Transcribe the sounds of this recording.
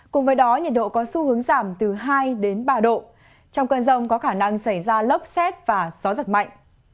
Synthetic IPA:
kʊ˨˩ŋ͡mvəː˨˦jɗɔ˨˦ɲə˨˩t̚ɗo̰˧˨kɔ˨˦su˧hɨ˨˦ə˦ŋzaː˧˩mt̪ɨ˨˩ɦaː˧jɗe˨˦nɓaː˧ɗo̰˧˨ | t͡ɕɔ˧wŋ͡mkəː˧nzə˧wŋ͡mkɔ˨˦xaː˧˩na˧ŋsa˧˩jzaː˧lə˦˥wp̚sɛ˦˥t̚v̥aː˨˩zɔ˨˦zə˨˩t̚ma̰˧˨jŋ̟

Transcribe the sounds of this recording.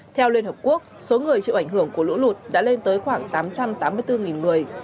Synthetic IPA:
t̪ʰɛ˧wlwi˧nhəː˨˩p̚ku˦˥ək̚so˨˦ŋɨ˨˩əjt͡ɕɨ̰˧˨ʔa˧˩ŋ̟ɦɨ˧˩əŋku˧˩əlṵ˧˥lu˨˩t̚ɗa̰ː˧˥le˧nt̪əː˨˦jxwaː˧˩ŋt̪aː˨˦mt͡ɕa˧mt̪aː˨˦mːɨ˧əjt̪ɨ˧ŋi˨˩nŋɨ˨˩əj

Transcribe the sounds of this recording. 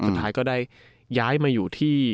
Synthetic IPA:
su˨t̪ʰːaː˦˥jkɔː˥˩daː˥˩j | jaː˦˥jmaː˧juː˨˩t̪ʰiː˥˩

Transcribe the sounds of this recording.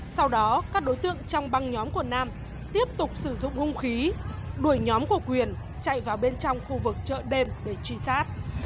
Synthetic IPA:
sa˧wɗɔ˨˦kaː˦˥k̚ɗo˨˦jt̪ɨ̰˧˨əŋt͡ɕɔ˧wŋ͡mɓa˧ŋɲɔ˨˦mku˧˩ənaː˧m | t̪i˦˥əp̚t̪ʊ˨˩k͡p̚sɨ˧˩zʊ̰˧˨ŋ͡mxʊ˧ŋ͡mxi˨˦ɗu˧˩əjɲɔ˨˦mku˧˩əkwi˨˩ən | t͡ɕa̰˧˨jvaː˨˩wɓe˧nt͡ɕɔ˧wŋ͡mxu˧vɨ˨˩k̚t͡ɕə̰ː˧˨ɗe˧mɗe˧˩t͡ɕwi˧saː˦˥t̚

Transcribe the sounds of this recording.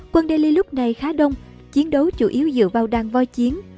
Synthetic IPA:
kwə˧nɗe˧li˧lʊ˦˥k͡p̚na˨˩jxaː˨˦ɗə˧wŋ͡m | t͡ɕi˨˦ənɗə˨˦wt͡ɕu˧˩ʔi˨˦əwzɨ̰˧˨vaː˨˩wɗaː˨˩ŋvɔ˧jt͡ɕi˨˦ən

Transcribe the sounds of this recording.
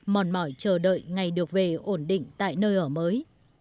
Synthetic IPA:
mɔ˨˩nmɔ˧˩jt͡ɕəː˨˩ɗə̰ː˧˨jŋa˨˩jɗɨ˨˩ək̚ve˨˩ʔo˧˩nɗḭ̈˧˨ŋ̟t̪a̰ː˧˨jnəː˧jʔəː˧˩məː˨˦j

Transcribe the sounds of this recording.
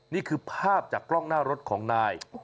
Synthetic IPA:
niː˥˩kʰɯː˧pʰaː˥˩p̚t͡ɕaː˨˩klɔ˥˩ŋnaː˥˩ɾo˦˥t̪̚kʰɔː˩˦ŋnaː˧j

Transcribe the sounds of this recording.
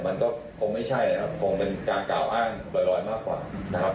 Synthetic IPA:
ma˧nkɔː˥˩ | kʰo˧ŋma˥˩jt͡ɕʰa˥˩jʰa˨˩p̚kʰo˧ŋpe˧nkaː˧nklaː˨˩wʔaː˥˩ŋlɔː˧˩jɾɔː˧˥jmaː˥˩kːwa̰ː˨˩na˥kʰa˦˥p

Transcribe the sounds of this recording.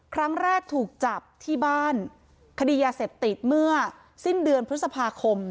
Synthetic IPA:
kʰɾa˦˥ŋɾɛː˥˩k̚t̪ʰuː˨˩k̚t͡ɕa˨˩p̚t̪ʰiː˥˩baː˥˩n | kʰa˧diː˧jaː˧seː˨˩p̚t̪i˨˩t̪̚mɯ˥˩ɐ | si˥˩ndɯ˧ənpʰɾɯ˥sa˧pʰaː˧kʰo˧m

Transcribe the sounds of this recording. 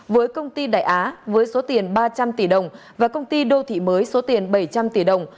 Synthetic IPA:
vəː˨˦jkə˧wŋ͡mt̪i˧ɗa̰ː˧˩jʔaː˨˦vəː˨˦jso˨˦t̪i˨˩ənɓaː˧t͡ɕa˧mt̪i˧˩ɗə˨˩wŋ͡m | vaː˨˩kə˧wŋ͡mt̪i˧ɗo˧t̪ʰḭ˧˨məː˨˦jso˨˦t̪i˨˩ənɓə˧˩jt͡ɕa˧mt̪i˧˩ɗə˨˩wŋ͡m

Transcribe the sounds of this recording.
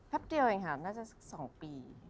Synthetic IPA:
pʰɛ˦˥p̚di˧ə˧we˧˩ŋkʰa˦˩naː˥˩t͡ɕa˨˩sk̚sɔː˩˦ŋpiː˧

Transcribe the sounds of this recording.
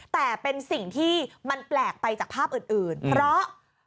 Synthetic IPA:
t̪ɛː˨˩pe˧nsi˨˩ŋt̪ʰiː˥˩ma˧nplɛː˨˩k̚pa˧jt͡ɕaː˨˩k̚pʰaː˥˩p̚ʔɯː˨˩nʔɯː˨˩npʰɾɔ˦˥ʔ

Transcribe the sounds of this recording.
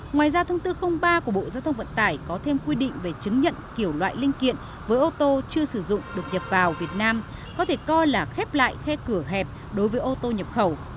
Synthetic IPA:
ŋwaː˨˩jzaː˧t̪ʰə˧wŋ͡mt̪ɨ˧xə˧wŋ͡mɓaː˧ku˧˩əɓo̰˧˨zaː˧wt̪ʰə˧ŋ͡mvə̰˧˨nt̪aː˧˩jkɔ˨˦t̪ʰe˧mkwi˧ɗḭ˧˨ŋ̟ve˨˩t͡ɕɨ˨˦ŋɲə̰˧˨nki˧˩əwlwa̰ː˧˨jli˧ənkḭ˧˨ən | vəː˨˦jʔo˧t̪o˧t͡ɕɨ˧əsɨ˧˩zʊ̰˧˨ŋ͡mɗɨ˨˩ək̚ɲə˨˩p̚vaː˨˩wvi˨˩ət̚naː˧m | kɔ˨˦t̪ʰe˧˩kɔ˧jlaː˨˩xɛ˦˥p̚la̰ː˧˨jxɛ˧kɨ˧˩əɦɛ˨˩p̚ | ɗo˨˦jvəː˨˦jʔo˧t̪o˧ɲə˨˩p̚xə˧˩w

